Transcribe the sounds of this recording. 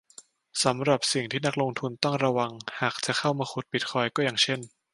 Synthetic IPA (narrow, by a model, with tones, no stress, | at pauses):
sa˩˦mɾa˨˩p̚si˨˩ŋt̪ʰiː˥˩na˦˥k̚lo˧ŋt̪ʰu˧nt̪ɔ˥˩ŋɾa˧wa˧ŋhaː˨˩k̚t͡ɕa˨˩xʰa˥˩wmaː˧xʰu˨˩t̪̚pi˨˩t̪̚kʰɔː˧˩jkɔː˥˩jaː˨˩ŋt͡ɕʰe˥˩n